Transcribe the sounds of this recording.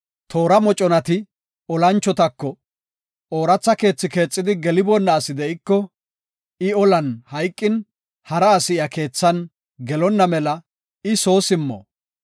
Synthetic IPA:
t̪ʰo̞ːɾɐmɔt͡ʃʼɔnɐt̪ɪ | ɔlɐnt͡ʃːɔt̪ɐkːɔ | oːɾɐt͡sːɐke̞ːt͡sːɪke̞ːt͡sʼːɪd̪ɪɡɛlɪbɔnːɐːsɪd̪ɛɪkːɔ | ɪɔlɐnhɐjkʼːɪn | hɐɾɐːsɪjɐke̞ːt͡sːɐn | ɡɛlɔnːɐmɛlɐ | ɪso̞ːsɪmːɔ̰

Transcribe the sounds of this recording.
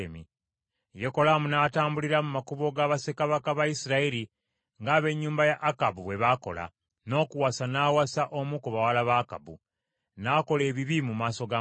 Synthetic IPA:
emi | joko̞lamunaːtaːmbuliɾamumakuβo̞ɡaβase̞kaβakaβaisiɾaiɾi | ŋɡaːβe̞ɲːuːmbajaʔːkabuβwe̞βako̞̰la̰ | no̞ːkuwasanaːwasaʔo̞mukuβawalaβaka̰bṵ | nako̞le̞ːβiβimumaːso̞ɡa

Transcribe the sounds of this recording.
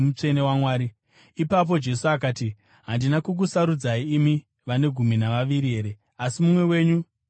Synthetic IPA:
mut͡ʂe̞ne̞wamwaːɾi | ipap̬o̞d͡ʒe̞suak̬aːti | ɦandinakuk̬usaɾud͡zaiːmi | ʋane̞ɡʱuminaʋaʋiɾie̞ːɾe | asimumwe̞we̞ːɲu

